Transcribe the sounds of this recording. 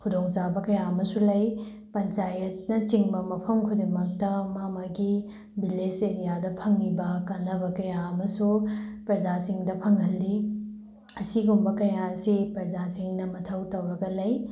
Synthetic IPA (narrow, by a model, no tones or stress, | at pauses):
kʰudoŋt͡ʃabɐkɐjaɐmɐsulɐj | pɐnt͡ʃajɐt̚nɐt͡ʃiŋbɐmɐpʰɐmkʰudemɐk̚tɐmamaɡi | bileseɾijadɐpʰɐŋlibɐkanːɐbɐkɐjaɐmɐsupɾɐd͡ʒasiŋdɐpʰɐŋɦɐlːi | ɐsiɡumbɐkɐjaɐsipɾɐzasiŋnɐmɐtʰɐwtɐwɾɐɡɐlɐj